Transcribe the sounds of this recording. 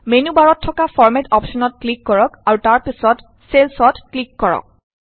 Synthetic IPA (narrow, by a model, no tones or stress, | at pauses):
menubaɹɔtʰːɔkafʰɔɹmɛtɔpʃɔnɔt̚klikːɔɹɔkaɹutaɹpisɔt | selsɔtklikːɔɹɔ̰k̚